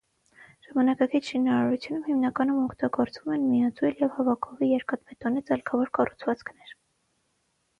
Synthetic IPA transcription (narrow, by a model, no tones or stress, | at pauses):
ʒ̥ɑmɑnɑkɑkit͡sʰʃinɑɾɑɾut͡sʰjunumhimnɑkɑnumɔkʰt̪ɑɡɔɾt͡svumɛnmijɑt͡sujljɛvhɑvɑkʰɔvijɛɾkɑt̪mɛt̪ɔnit͡sɑlkʰɑvɔɾkɑrut͡sʰvɑt͡skʰnɛɾ